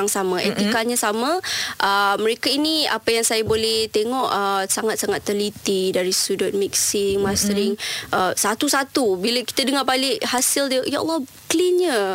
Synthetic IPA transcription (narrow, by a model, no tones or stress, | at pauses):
aŋsamãʔḛt̪ikalɲãsamãʔəməɾekainĩa̰pajaŋsajabolɛht̪eŋɔʔəsaŋat̪̚saŋat̪ːərlit̪idaɾist̪udɔt̪̚mik̚sɪŋmasɾɪŋʔəsat̪usat̪ubiləki̥t̪ədəŋabalɪʔhasɪldəjaʔɔ̰lːɔ | klinɲə